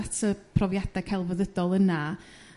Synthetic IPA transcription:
tʰəpʰrɔvjad̥akʰalˠvəðədɔlˠəna

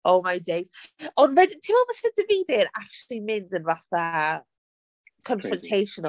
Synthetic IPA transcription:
owmajdejzɔnvɛdɪtʰɪmɔmasɛd̥əviːdɪɾak̚t͡ʃlˠimɪndənvaθa | kʰɔnfɾɔ̃ntʰejʃɔn

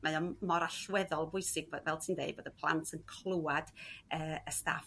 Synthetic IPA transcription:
majɔnmɔɾaɬwɛðɔlˠvʊɨsɪɡ̚vvɛlˠtʰiːndḛjd̚boːdəpʰlˠa̰ntʰənkʰlˠuwad̥əːəsta̰f

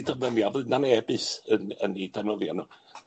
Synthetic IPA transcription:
dəvnənjavɨðdnanɛbɨsənə̰nidʰɛnəðjanuː

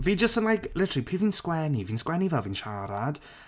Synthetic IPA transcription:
viːd͡ʒəstənlˠajkʰlɪtʰripʰiːviːnskwɛniviːnskwɛnivɛlˠvinʃaɾad̥

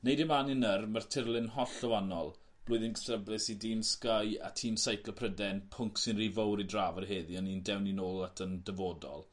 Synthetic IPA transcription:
nejdɪmanɪnərmartʰɪrlˠɪnɦɔɬəwanɔlˠ | b̥lˠʊːɨðɪnɡəθrəblɪsidiːnskaja̰tʰiːnsajkʰləpʰrədɛnpʰʊŋksɪnrivowɾidraːvərɦeːðiənindɛwninoːlˠatʰəndəvoːdɔ̰lˠ

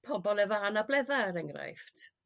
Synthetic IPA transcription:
pʰɔbɔlˠɛvaanablɛðaɾɛŋɡra̰jftʰ

